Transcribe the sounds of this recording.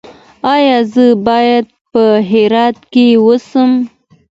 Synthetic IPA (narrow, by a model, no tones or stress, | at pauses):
ɑjɑzəbɑjad̪̚pəɦeɾɑt̪kewəsəm